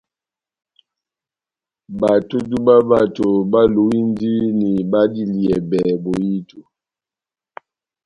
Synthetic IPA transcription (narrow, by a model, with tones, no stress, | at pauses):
ba˨to˦du˦ba˦ba˦˨to˨ba˦lu˨˦wi˦n˦di˦ni˨ba˦di˦li˨ɛ˨bɛ˨bo˨ji˦tu˨